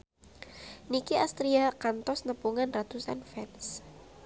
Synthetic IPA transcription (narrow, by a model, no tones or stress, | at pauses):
nikiast̪ɾiakant̪ɔsnəpuŋanrat̪usanfɛns